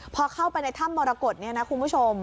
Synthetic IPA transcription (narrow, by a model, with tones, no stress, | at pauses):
pʰɔ˧kʰa˥˩wpa˧jna˧jt̪ʰa˥˩mːɔː˧ɾaː˧ko˨˩t̪̚ni˥˩ɐna˦˥kʰu˧npʰu˥˩t͡ɕʰo˧m